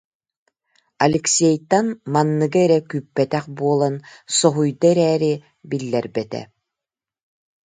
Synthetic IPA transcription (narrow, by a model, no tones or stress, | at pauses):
alɛksɛjt̪ːanmanːɯɡaɛɾɛkypːɛt̪ɛχbuɔlˠansɔɦujd̪aɛɾɛːɾi | bilːɛɾbɛt̪ɛ̰